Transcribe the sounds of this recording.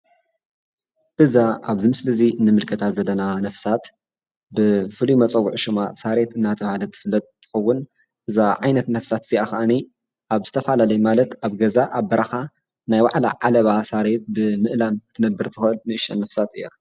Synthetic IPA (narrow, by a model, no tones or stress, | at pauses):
ʔɨzaaβzɨmɨslɨzinɨmɨlkʰɐt̪ʰat̪zɐlːɐnanɐfsat̪ | bɨfɨlimɐt͡sʼɐwʊʕʃuma̰saɾe̞t̪ɨnːat̪ʰɐβhalɐt̪ʰːɨ̥fɨlːɐt̪̚ʼt̪ʰɨ̥xɐwːʊn | ʔɨzaʕajnɐt̪nɐfsat̪ɨz̥iakɐʔani | ʔaβzɨt̪ʰɐfalalɐjumalɐt̪aβɡɐzaʔaβbɐɾʔɐxa | najwa̰ʕla̰ʕalɐβasaɾe̞t̪̚bɨmɨʔlamɨt̪ʰɨnɐbɨɾt̪ʰɨxɨʔɨlnɨɨʃɐ̰nːɐfsat̪ɨjːa